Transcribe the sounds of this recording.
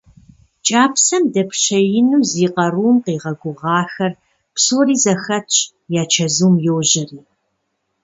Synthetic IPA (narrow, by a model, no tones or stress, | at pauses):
t͡ʃʼaːpʰsɐmdɐpʰɕɐjɪnuːziːqɐruːmqeːʁɐɡʷʊʁɑːxɐr | psoːriːzɐxɐtɕʼ | jaːt͡ʃʰɐzuːmjowʑɪriː